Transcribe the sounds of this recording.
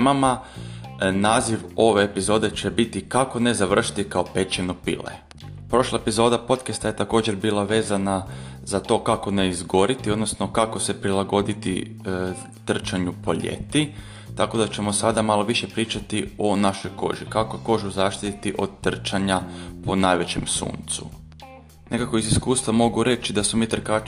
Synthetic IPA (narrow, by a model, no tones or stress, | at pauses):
mama | naːziʋo̞ʋe̞ːpizo̞ːd̪e̞t͡ɕe̞bit̪ikako̞ne̞zaʋr̩ʃi̥t̪ikao̞pe̞t͡ʃenopḭlḛ | pɾo̞ʃlˠaepizo̞ːd̪apo̞t̪kast̪aje̞t̪ako̞ːd͡ʒeɾbiːlˠaʋe̞ːzana | zat̪o̞ːkako̞ne̞izɡo̞ɾit̪io̞d̪nosno̞kako̞se̞pɾilˠaɡo̞d̪it̪ḭ | t̪r̩t͡ʃaɲupo̞ʎḛt̪i | t̪ako̞d̪at͡ɕe̞mo̞sad̪amalo̞ʋiʃe̞pɾiːt͡ʃat̪io̞naʃo̞jko̞̰ʒikakoeko̞ːʒuzaːʃt̪it̪it̪iʔo̞d̪t̪r̩t͡ʃaɲapo̞najʋe̞t͡ɕe̞msṵːnt̪sṵ | nʔe̞kako̞iziskuːst̪ʋamo̞ɡuɾe̞t͡ʃid̪asomiːt̪r̩ka